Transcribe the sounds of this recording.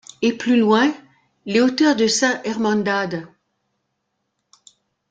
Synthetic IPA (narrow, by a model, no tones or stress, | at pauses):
eplylwɛ̃ | leot̪œʁd̪əsɛ̃ʔɛʁmɑ̃d̪ad̪